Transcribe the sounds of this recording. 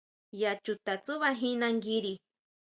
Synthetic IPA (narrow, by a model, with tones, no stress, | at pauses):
ja˨t͡ʃu˧t̪a˨t͡su˦βa˦ɦĩ˦nã˧ŋɡi˦ɾi˧